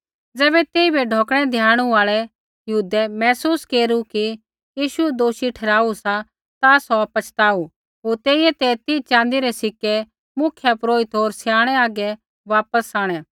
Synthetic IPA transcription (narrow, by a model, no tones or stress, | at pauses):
d͡zɛːbɛt̪eːibʱɛɖʱɔːkɽ̃ɛd̪ʱjaːɽ̃ũaːɭɛ | jɐɦuːd̪ɛmɛːsuːskeːɾuki | jiːʃuɛd̪oːʃiʈʰɛːɾaːusa | t̪asɔɐpɐt͡ʃʰt̪aːu | ɦoːɾt̪eːiɛt̪ɛt̪it͡ʃãːnd̪iɾɛsɪkːɛ | mʊkʰjapɾoːɪt̪ɦoːɾsjaːɽ̃ɛaːɡɛ | ʋaːpəsaːɽ̃ɛ̃ː